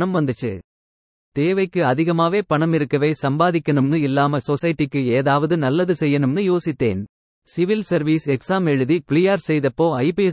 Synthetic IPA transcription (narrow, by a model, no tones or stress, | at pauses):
ɐmʋɐnd̪ɯt͡ʃːɯ̰ː | t̪eːʋɐɪkːɯɐðɪɣɐmaːʋeːpɐɳɐmɪɾɯkːɐʋeːsɐmbaːðɪkːɐnɯmnɯɪlːaːmɐsɔsɐjɪʈːɪkːɯeːðaːʋɐðɯnɐlːɐðɯsɛjːɐnɯmnɯjoːsɪt̪ːḛːn | sɪʋɪlsɐɾʋiːsɛksaːmɛɻɯðipɪɭɪjaːɾsɛjðɐpːoːɐɪpɐ